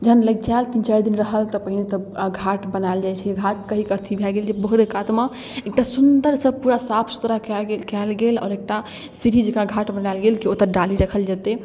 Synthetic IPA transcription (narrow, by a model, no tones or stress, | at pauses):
d͡ʒəɦənləɡ̚d͡ʒalt̪int͡ʃaɾd̪inɾəɦəlt̪əpəɦinet̪əɡʱaʈbənaeld͡ʒajt͡ʃʰɛɡʱaʈ̚kəɦikəɾt̪ʰibʱɛɡeld͡ʒebəɦuɾekat̪mə | ek̚ʈasund̪əɾsəb̚puɾasapʰsu̥t̪ɾakɛkɛlɡelɔ̰ːɾek̚ʈa | siɾʱid͡ʒekãɡʱaʈbənaelɡelkiot̪əɾɖaliɾəkʰəld͡ʒat̪e